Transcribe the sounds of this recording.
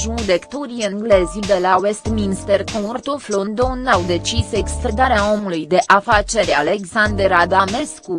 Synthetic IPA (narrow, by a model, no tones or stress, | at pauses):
ʒud̪ekt̪oɾiəŋɡle̞zʲid̪e̞lawe̞st̪minst̪erkort̪oflond̪onawd̪e̞t͡ʃise̞kst̪ɾed̪aɾeao̞mulujd̪e̞ʔafat͡ʃe̞ɾʲaleɡsand̪eɾad̪ame̞sku